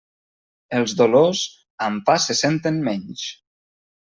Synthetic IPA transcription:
əlˠzðoloz | ampasesent̪ənmɛɲʃ

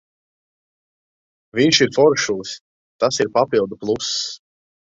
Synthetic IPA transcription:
vʲiɲʃiɾfɔɾʃulˠs | t̪asiɾpapilˠd̪uplˠus

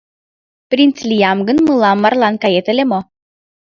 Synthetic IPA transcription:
prʲint̪t͡slʲijɑmɡə̆nmɤlˠɑmːɑrlˠɑnkɑjet̪ɘ̆lʲemo

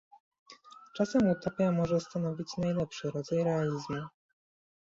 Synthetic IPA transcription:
t͡ʂasɛmut̪ɔpʲjamɔʐɛst̪anɔvʲit͡ɕnajlɛpʂɘɾɔd̪zajɾɛalʲizmu

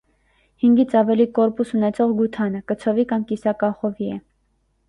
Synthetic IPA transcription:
hiŋɡit͡sʰɑvɛlikɔɾpusunɛt͡sʰɔʁɡut̪ʰɑnəkət͡sʰɔvikɑmkisɑkɑχɔviɛ

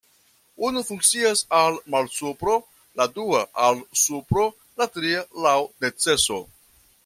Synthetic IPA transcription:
unufuŋk̚t͡siasalmalsupɾo̞ | laduaʔalsupɾo̞ | latɾialawne̞t͡se̞so̞̰

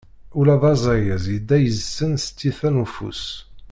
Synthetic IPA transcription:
ulæðɑzˤɑjəzjəd̪ːæjəzsːənsət̪ːiθænufṵs

